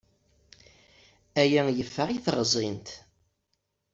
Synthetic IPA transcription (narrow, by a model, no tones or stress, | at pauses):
æjæjəfːəʁiθʁzˤint̪